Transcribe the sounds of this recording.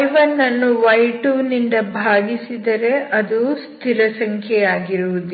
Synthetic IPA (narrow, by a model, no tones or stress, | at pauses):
jʋɐnːɐnːuʋɐjʈuːnind̪ɐbʱaːɡisid̪ɐɾe̞ʔɐd̪ust̪ʰiɾɐsɐŋkʰjɛjaːɡiɾuʋud̪i